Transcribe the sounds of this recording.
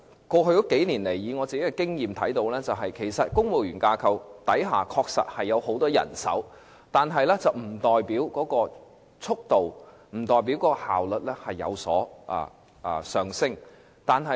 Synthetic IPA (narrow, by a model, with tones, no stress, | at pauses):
kɔː˧ɦɵ˧ɥt̪ɔ˨˥ke˨˥jniː˨˩nle˨˩jːiː˨˧ŋɔː˨˧t͡siː˨˩ke˦˥kɛː˧kɪ˥ŋjiː˨mt̪ʰɐ˨˥jt̪o˧wlɛː˥t͡sɐ˨wɦɐ˨jkʰe˨˩jsɐ˨t̚kʊ˥ŋwo˨˩wjyː˨˩nkaː˧kʰɐ˨wt̪ɐ˨˥jɦa̰ː˨kʰɔː˧k̚sɐ̰˨t̚hɐ˨jːɐ˨˧who˨˥wt̪ɔː˥jɐ̰˨˩nsɐ̰˨˥w | t̪aː˨nɦɐ˨jlɛː˥t͡sɐ˨wm̩˨˩t̪ɔː˨jpiː˨˥wkɔː˨˥kɔː˧ | t͡sʰʊ˥k̚t̪o˨w | m̩˨˩t̪ɔː˨jp̬iː˨˥wkɔː˨˧˥kɔ˧haː˨wlɵ˨t̚lɛː˥hɐ˨jːɐ̰˨˧wsɔ̰ː˨˥ʔa̰ː˨˩˧ | sœː˨ŋsɪ˥ŋ | t̪aː˨nɦɐ˨